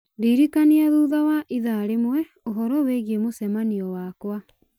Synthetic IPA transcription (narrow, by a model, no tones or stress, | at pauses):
diɾikaniaðuːðawaʔiðaɾemwɛ | oɦɔɾɔweɣiemosɛmaniɔwakwa